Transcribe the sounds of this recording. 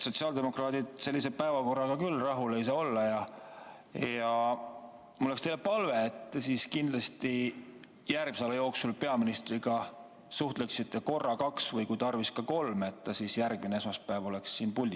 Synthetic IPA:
so̞t̪siɑːld̪e̞mo̞krɑːd̪̥id̪̥se̞lʲːise̞pæevɑko̞rːɑɡ̥ɑkylːrɑɦule̞js̬ɑːo̞lːɑjɑ | jɑ | molekst̪ejlepɑlve̞et̪ːesiːskind̪lɑst̪i | jærɡmi̥sɑlejo̞ːksulpe̞ɑminist̪riɡ̥ɑ | suht̪leksit̪ʰːeko̞rːɑkɑksvɤjkujt̪ɑrviskɑko̞lme̞t̪ːɑsisjærɡ̚mineesmɑspæːvo̞le̞ksːiːnpulʲːi

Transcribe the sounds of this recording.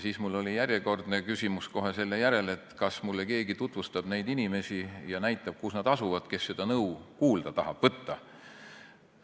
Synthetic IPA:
siːsmulːo̞lijæɾʲjeko̞rd̪ne̞kysʲimusko̞ɦe̞se̞lːejæɾe̞le̞t̪ːˑkɑsmulːeke̞ːɡit̪ut̪ˑvust̪ɑb̥ne̞jd̪̥inime̞sijɑnæjt̪ːˑɑb̥̚kusnɑd̪̥ɑsuvɑd̪̥ke̞sːe̞d̪̥ɑnɤukuːld̪̥ɑt̪ɑhɑb̥vɤt̪ːɑ

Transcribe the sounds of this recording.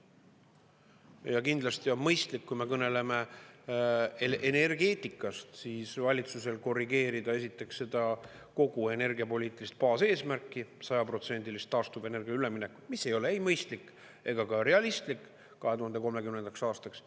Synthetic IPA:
jɑkind̪̥lɑst̪iomɤjst̪likːujme̞kɤne̞le̞me̞ | ʔene̞rɡe̞ːt̪ˑikːˑɑst̪siːsvɑlʲit̪suse̞lko̞rːiɡ̥e̞ːɾid̪̥ɑe̞s̬it̪ːˑe̞ksːe̞d̪̥ɑ | ko̞ɡ̥ue̞ne̞rɡiɑpo̞lʲiːt̪ˑilist̪̚pɑːse̞ːsmærkːˑisɑjɑpro̞t̪se̞nʲd̪̥ilist̪ːɑːst̪ube̞ne̞rɡ̥iɑylemine̞kːˑu̥t̪misːe̞jo̞leejmɤjst̪likː | e̞ɡ̥ɑkɑɾe̞ɑlʲist̪likː | kɑɦe̞t̪uɦɑnd̪e̞ko̞lme̞kymne̞nd̪̥ɑksɑːst̪ɑks

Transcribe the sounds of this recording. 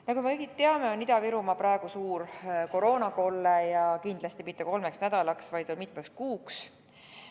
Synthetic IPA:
nɑkumekɤjɡit̪t̪ːe̞ɑme̞o̞nid̪̥ɑviɾumɑpɾɑe̞ɡ̥usuːɾko̞ɾo̞ːnɑko̞lːejɑkind̪̥lɑst̪imit̪ːˑeko̞lmeksnæd̪̥ɑlɑksvɑjd̪o̞nmit̪mekskuːks

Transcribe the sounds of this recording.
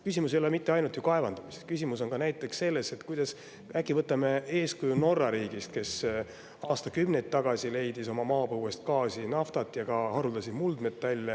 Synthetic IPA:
kysʲimusejo̞lemit̪ːe̞ɑjnut̪jukɑe̞vɑnd̪̥ɑmist̪kysʲimuso̞nɡɑnæjt̪ːˑe̞ksːe̞lːe̞se̞t̪kujd̪̥ɑs | ækˑːivɤt̪ːˑɑme̞e̞ːskujuno̞rːɑɾiːɡ̥ist̪̚ke̞s | ɑːst̪ɑkymnejt̪ːɑɡ̥ɑsʲile̞jd̪iso̞mɑmɑːpɤwe̞st̪kɑːsinɑft̪ɑt̪ːˑjɑɡɑhɑɾuld̪ɑsʲid̪muld̪̥me̞t̪ːɑlʲːɑ

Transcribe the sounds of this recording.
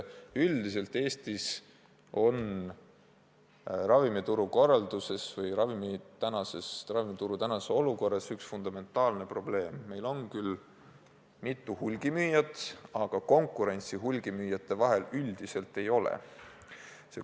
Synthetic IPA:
yld̪is̬e̞lt̪ːˑe̞ːst̪is | o̞n | rɑvimit̪uɾuko̞rːɑld̪̥use̞svɯjɾɑvimit̪ænɑsesrɑvimit̪uɾut̪ænɑseo̞luko̞rːɑsyksfund̪̥ɑme̞nt̪ːˑɑːlne̞pro̞ble̞ːmːe̞jlo̞nkyl | mit̪ːˑuhulɡ̥imyːjɑt̪ˑɑɡ̥ɑko̞ŋkˑuɾe̞nʲt̪siɦulɡ̥imyjɑt̪ːˑe̞vɑɦe̞lyld̪ise̞lt̪ːˑe̞jo̞lḛ | sḛ

